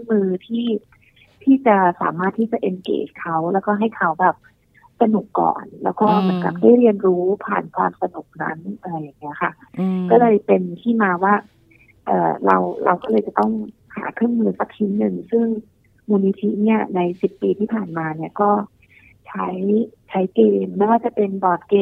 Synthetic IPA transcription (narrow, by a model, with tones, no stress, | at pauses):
ɯ˥˩ŋmɯː˧t̪ʰiː˥˩ | t̪ʰiː˥˩t͡ɕa˨˩sa̰ː˩˦maː˥˩t̪ʰːiː˥˩t͡ɕa˨˩ʔe˧nkḛː˨˩skʰa˦˥wlɛː˦˥wkɔː˥˩ɦa˥˩jkʰa˦˥wbɛː˨˩p̚ | sa˧nu˨˩kːɔ̰ː˨˩nlɛ̰ː˦˥wkɔː˥˩mɯ˩˦ənka̰˨˩p̚da˥˩jɾi˧ənɾuː˦˥pʰa̰ː˨˩nkʰwa̰ː˧msa˧nu˨˩k̚na̰˦˥na˧a˧jːa˨˩ŋːi˦˥ɐkʰa˥˩kɔː˥˩lɤː˧jpe˧nt̪ʰiː˥˩maː˧waː˥˩ | ʔɤ̰ː˨˩ɾa̰˧wɾʔa̰˧wkɔː˥˩ɤː˧jt͡ɕa˨˩t̪ɔ˥˩ŋha̰ː˩˦kʰɾɯ˥˩əŋmɯː˧sa˨˩k̚tʰi˦˥nnɯ˨˩ŋsɯ˥˩ŋ | muː˧ni˧˥t̪ʰi˦˥ni˥˩ɐna˧jsi˨˩pːiː˧t̪ʰiː˥˩pʰaː˨˩nmaː˧ni˥˩ɐkɔː˥˩ | t͡ɕʰa˦˥jt͡ɕʰa˦˥jkeː˧mːa˥˩jwaː˥˩t͡ɕa˨˩pe˧nbɔː˨˩t̪̚keː˧